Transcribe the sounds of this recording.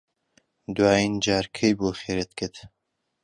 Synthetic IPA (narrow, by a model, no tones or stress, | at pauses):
d̪waːind͡ʒaːɾkʰejboːxeːɾet̪kʰɨd̪